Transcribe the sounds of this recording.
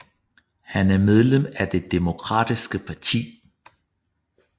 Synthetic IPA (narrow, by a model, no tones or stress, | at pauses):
hænæɐmeð̞ˠlem̰æd̥e̝d̥e̝mo̝kʰʁɑ̰̈ːd̥isɡ̥əpʰɑ̈t͡sʰḭː